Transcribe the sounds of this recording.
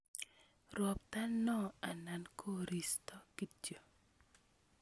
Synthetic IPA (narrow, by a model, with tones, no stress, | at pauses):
ɾwɔ˨p̚ta˦nnɔ˦a˨na˨nkʰo˦ɾi˨stɔ˦ki˦t͡ʃo˨